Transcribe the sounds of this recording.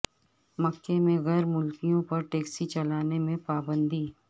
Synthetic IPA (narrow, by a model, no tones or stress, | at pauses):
mɐkːemẽɣɛːɾmʊlkijõpɐɾʈeːksit͡ʃɐlaːnemẽpaːbə̃nd̪iː